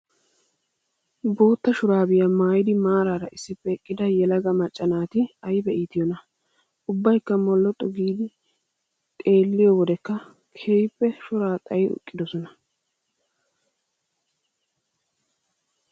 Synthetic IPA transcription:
bo̞ːt̪ːɐʃʊɾaːbɪjɐmaːjɪd̪ɪmaːɾaːɾɐʔɪsːɪpːɛkʼːɪd̪ɐjɛlɐɡɐmɐt͡ʃʼːɐnaːt̪ɪɐjɪbɛʔiːt̪ɪjɔnɐ | ʊbːɐjkːɐmɔlːɔt̪ʼːɔɡiːd̪ɪ | t̪ʼe̞ːlːɪjɔwɔd̪ɛkːɐ | kʰeːjpːɛʃʊɾaːt̪ʼɐjɪʊ̰kʼːɪd̪ɔsɔnɐ

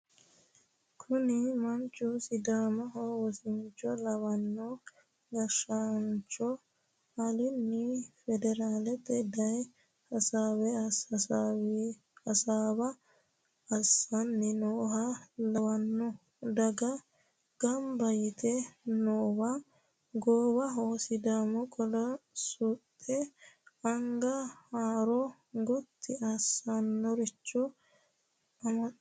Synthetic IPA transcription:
kʰʊnɪmɐnt͡ʃʼːusɪd̪aːmɐɦowɔsɪnt͡ʃːɔlɐwɐnːɔ | ɡɐʃant͡ʃʼɔ | hɐlɪnːɪfɛd̪ɛɾaːlɛt̪ɛd̪ɐj | hɐsaːwɛɐs | ɐsaːbɐ | ɐsɐnːɪnoːɦɐlɐwɐnːɔ | d̪ɐɡɐ | ɡ̥ɐmbɐjɪt̪ʰɛnoːwa | ɡoːbɐɦoːsɪd̪aːmɔkʼɔd̪ɐsʊt̪ʼːɛɐŋɡɐhaːɾɔ | ɡɔt̪ʰːɪʔɐsanːɔɾɪt͡ʃːɔ | ɐmɐ

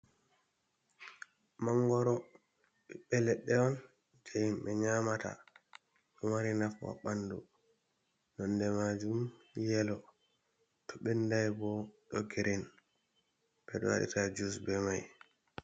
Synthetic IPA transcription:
maŋɡɔɾɔ | ɓɛɓɛlɛɗːɛɔn | d͡ʒajimɓɛɲamata̰ | ɗɔmaɾinafwa̰ɓandṵ | nɔndɛmad͡ʒumjɛlɔ | tɔɓɛndajbɔɗɔɡiɾin | bɛɗɔ̰wa̰ɗḭtad͡ʒusbɛmaj

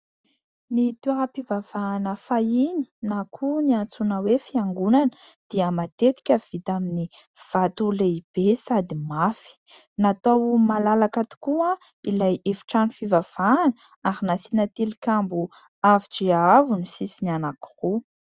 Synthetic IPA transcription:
nit̪uaapivav̥aːnəfajini̥nakʰuniant͡sunəwefiaŋɡunanə | d̪̥iəmat̪et̪i̥kʲəv̥it̪amini | v̥at̪uleib̥esad̪imafi̥ | nat̪owmalalakat̪i̥kua | ilajefi̥ʈ͡ʂanifivav̥aːn | aɾinasinat̪ilikʲambu | aviʈ͡ʂiavunisisinanaku̥ru

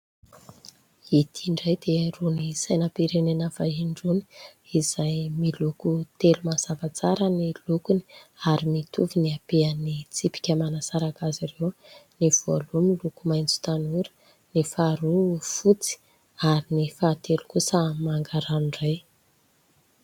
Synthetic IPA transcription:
it̪ʰiɳɖ͡ʐajd̪̥erunisajnəpiɾenenəvaɦiɳɖ͡ʐuni̥iz̥ajmilukut̪elumaz̥avat͡saɾənilukuniaɾimit̪uviniapeənit͡sipi̥kʲəmanasaɾakazirewniv̥olumilukumajnd͡zu̥t̪anuɾə̥ | nifaɾufut͡si̥ | aɾinifat̪elukusəmaŋɡaɾanɳɖ͡ʐaj

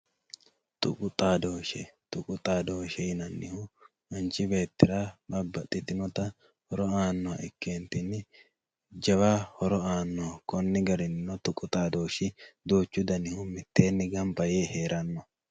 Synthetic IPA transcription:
t̪ʊ̰kʼʊt̪ʼaːd̪oːʃɛt̪ʊkʼʊt̪ʼaːd̪oːʃɛjɪnɐnːɪhʊ | ɐnt͡ʃːɪbe̞ːt̪ːɪɾaːbɐbːɐt̪ʼːɪt̪ɪnɔt̪ɐ | hɔɾɔaːnːɔwɐ̰ʔɪkːeːnt̪ɪnːɪ | d͡ʒɐbaːhɔɾɔaːnːɔɐkɔnːɪɡɐɾɪnɪnɔt̪ʊkʼʊt̪ʼaːd̪o̞ːʃɪd̪oːt͡ʃːʊd̪ɐnɪhʊmɪt̪ːe̞ːnːɪɡɐmbɐjeːhe̞ːɾʔɐnːɔ

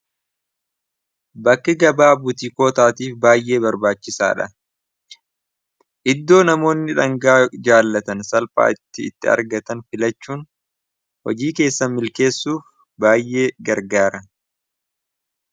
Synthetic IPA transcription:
bɐkːɪɡɐbaːbʊt̪ɪko̞ːt̪aːt̪iːfbaːjʔe̞ːbɐɾbaːt͡ʃːɪsa̰ːᶑɐ̰ | ʔɪd̪ːo̞ːnɐmo̞ːnːɪᶑɐŋɡaːd͡ʒaːlːɐt̪ɐnsɐlpʼa̰ːɪt̪ːɪ̰ːt̪ːɪɐ̰ɾɡɐt̪ɐnfɪlɐt͡ʃːuːn | hɔ̰d͡ʒiːke̞ːsːɐmɪlke̞ːsːuːf | baːjʔːe̞ːɡɐɾɡaːɾɐ

